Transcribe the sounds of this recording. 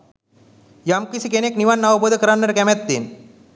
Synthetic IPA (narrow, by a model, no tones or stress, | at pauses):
jamkisikenekniʋanːaʋəbod̪ʱəkəɾanːəɾkɛmɛt̪̚ːen